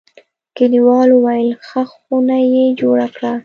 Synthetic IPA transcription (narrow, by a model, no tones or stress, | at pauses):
kɪniwɑlowajlxəxunajed͡ʒoɽakɽa